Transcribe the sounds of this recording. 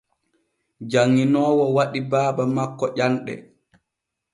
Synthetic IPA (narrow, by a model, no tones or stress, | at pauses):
d͡ʒaŋːinɔːwɔwaɗibaːbamakːɔʔanɗɛ̰